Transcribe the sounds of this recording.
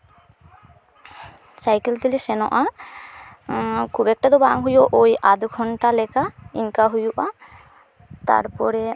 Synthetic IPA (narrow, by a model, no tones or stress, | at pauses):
sajkelt̪elisɛnɔ̰ʔa | kʰubɛk̚ʈad̪obaŋɦujoʔojʔad̪uɡʱɔɳʈalɛkaiŋkaɦujuʔa | t̪a̰ɾpɔɾɛ